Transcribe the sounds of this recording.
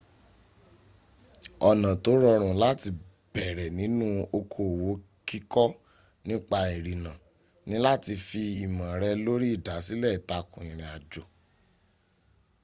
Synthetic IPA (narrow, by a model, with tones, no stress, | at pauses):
ɔ˧˨nã˨to˨˦ɾɔ˧ɾ̃ũ˨˦la˦ti˧ | bɛ˨ɾɛ˨nĩ˨˦nũ˦o˧kʰo˨wo˨˦ | ki˦kɔ˦ | nĩ˦k͡pa˧i˨ɾi˨nã˨ | nĩ˦la˦ti˧fi˧i˨mã˨ɾɛ˧˦lo˦ɾi˦i˦˨da˨˦si˦lɛ˦˨i˨ta˧kũ˨ĩ˨ɾ̃ĩ˨a˨d͡ʒo˨